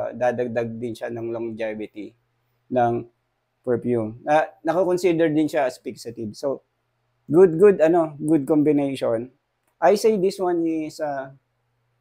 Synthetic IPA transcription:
d̪aːd̪ɐɡ̚d̪aɡ̚d̪ɪnʃanɐŋloŋd͡ʒɛvɪt̪i | nɐŋ | pɛɹfjumnɐnɐkɐkonsid̪ɛɹd̪ɪnʃaɐspiksɐt̪ɪbso | ɡʊd̪̚ɡʊd̪ɐno̞ɡʊd̪̚kombɪnejʃon | ʔajsejd̪ɪswanɪsɐ

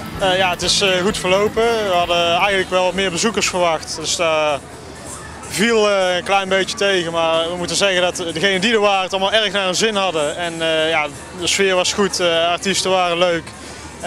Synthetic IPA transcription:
əjaətɪsxutfəɹlowpəʋəɦɑdəɛjɣəntləkʋɛlˠʋɑtmɪːɹbəzukəɹsfəɹʋɑxtdɵsda | vilˠəənklɛjnbejjətejɣənmaːɹʋəmutənzɛɣəndɑtdəɣejnədidəɹʋaːrəntɑlˠmaːlˠɛɹxnaːənzɪnɦɑdəɛnja | dəsfɪːɹʋɑsχutɑɹtistəʋaːrəløɥk

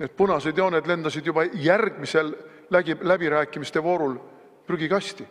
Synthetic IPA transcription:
net̪̚pɤnɑsed̪jɑːned̪le̞nd̪̥ɑsid̪jubɑjærɡ̥mise̞l | æɡilæbiɾæːkːˑimist̪e̞vo̞ːɾul | pryɡ̥ikɑsʲt̪i

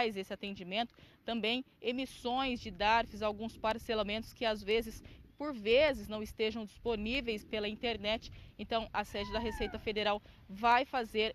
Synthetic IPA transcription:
jzesɪat̪ẽnd͡ʒimẽnt̪ʊ̥t̪ɐ̃mbẽj̃emisõj̃zd͡ʒɪd̪aɾfɪzawɡũspaɾselamẽnt̪ʊ̥skɪazvezɪspoɾvezɪznɐ̃w̃ɪst̪eʒɐ̃w̃d͡ʒisponivejspelɐĩnt̪eɾnɛt͡ʃɪ̥ẽnt̪ɐ̃w̃ɐsɛd͡ʒɪd̪ɐɦesejt̪ɐfed̪eɾaw | vajfazeɾ

